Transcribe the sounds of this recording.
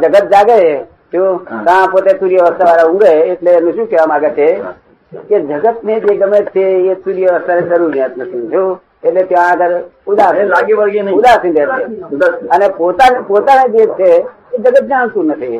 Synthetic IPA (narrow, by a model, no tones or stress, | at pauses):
d͡ʒɐɡət̪̚d͡ʒaːɡə | t̪ʰjõk̪ãpoːt̪esuɾijəʋəst̪aʋaːɾaʊ̃ŋɡeeʈ̪lenʊʃũkeʋamaːɡet͡ʃʰe | ked͡ʒəɡət̪̚ned͡ʒeːɡɐmeːt̪ʰeesuːɾijəʋəst̪anẽd͡ʒɐɾuːɾiə̃t̪nɐt̪ʰĩt̪ʰjo | et̪let̪jãəɡəɾ | ʊd̪aːsĩ | ʊd̪aːsĩnd̪eeənepoːt̪anepoːt̪aned̪eːt̪ʰe | ed͡ʒəɡət̪̚d͡ʒãːnsuɾnɐt̪ʰi